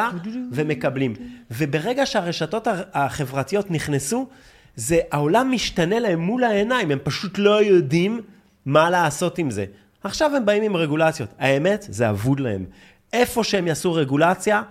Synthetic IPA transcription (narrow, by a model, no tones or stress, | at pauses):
ave̞me̞kablimve̞be̞ʁe̞ɡaʃeaʁe̞ʃato̞taːχe̞vʁatijo̞tniχnesu | ze̞ʔao̞lamːiʃtane̞lae̞mːulae̞naime̞mpaʃutlo̞jo̞dimː | alaːso̞timze̞̰ | aχʃave̞mbaimimʁe̞ɡulat͡sjo̞taeme̞tzea̰vud̪lahe̞̰m | e̞fo̞ʃeemjasuʁe̞ɡulat͡sja